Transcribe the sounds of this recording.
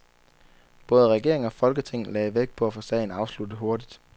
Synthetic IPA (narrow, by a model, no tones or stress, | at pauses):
b̥ɔ̽ːð̞ˠəʁɛɡ̥e̝ɐ̰eŋ̩ɒ̽fɒ̽lɡ̥ət͡sʰe̝ŋ̰n̩lɛːʋeɡ̥̚pʰɒ̽æfoːsɛ̰ɪn̩ɑ̈ʊslud̥ð̩ɦo̝ɐd̥id̥